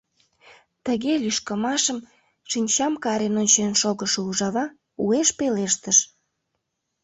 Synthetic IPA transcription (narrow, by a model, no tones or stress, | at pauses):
t̪əɣelʲyʃkəmɑʃəm | ʃinʲt͡ɕɑmkɑɾenonʲt͡ɕenʃoɣəʃouʒɑβɑ | ueʃpeleʃt̪əʃ